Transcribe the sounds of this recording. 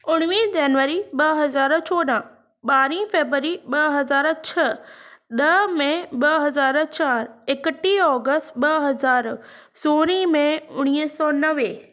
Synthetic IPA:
ʊɽ̃ʋid͡ʑɐnʋəɾiɓɐɦɐzaːɾt͡ɕʰoːɗã | ɓaːɾĩfeːbɾəɾiɓɐɦɐzaːɾt͡ɕʰɐɗɐmẽɓɐɦɐzaːɾt͡ɕaːɾɪkəʈiɔːɡəsʈɓɐɦɐzaːɾ | soːɾimẽʊɽ̃iːsɔːnɐʋeː

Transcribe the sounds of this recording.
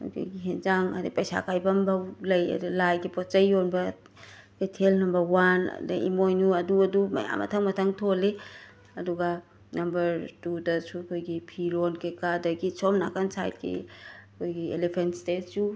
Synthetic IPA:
kʰo̰jɡiɦenzaŋɐ̰depɐjsa̰kajbɐmbɐlɐjɐ̰dulajɡipot͡ʃɐjonbɐ | detʰelnɐmbɐɾwan̰dḛḭmojnuɐduɐdumɐ̰ja̰mɐ̰tʰɐŋmɐtʰɐŋtʰole | ɐduɡa | nɐmbɐɾtudɐsukʰojɡipʰiɾonkekadɐɡit͡ʃʰomna̰kansa̰jt̚kḭkʰojɡiḛlepʰentstett͡ʃu

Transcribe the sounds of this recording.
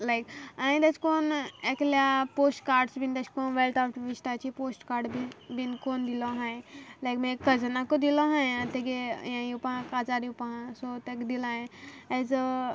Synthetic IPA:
lajkãĩd̪et͡ʃkoːnekljapoːsʈkaːɾɖsbind̪et͡ʃkonʋelʈ̪apʈʋiʃʈat͡ʃipoːsʈkaːɾɖbibinkoːnd̪iloɦãj̃lajkmekkəd͡ʒnakod̪iloɦãjat̪eɡejãjupããkad͡ʒaɾiupããsot̪ekd̪ilãẽɛz

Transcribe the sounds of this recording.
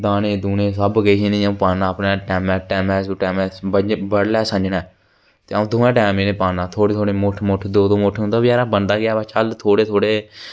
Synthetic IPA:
d̪aːnẽːd̪uːneːs̬əbɡəɦiːnĩːəũːpãːãːəpnãːʈɛːmɛ̃ːʈɛːmɛ̃ːsuːʈɛːmɛːbəbəɽlɛːsə̃d͡ʒnɛː | t̪eːaũːd̪oːɛ̃ːʈɛːmẽːnẽːpaːnãːt̪ʰoːɽeːt̪ʰoːɽeːmʊʈʰmʊʈʰd̪oːd̪õːmʊʈʰːd̪aːʋaːɾaːbənd̪aːɡɪaːbaːt͡ʃəlt̪ʰoːɽeːt̪ʰoːɽeː

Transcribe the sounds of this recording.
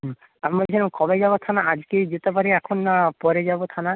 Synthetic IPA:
amɔd͡ʒʰinɔmkɔbajd͡ʒabɔt̪ʰanaad͡ʒkejd͡ʒet̪epaɾeɛkʰɔnpɔɾed͡ʒabot̪ʰana

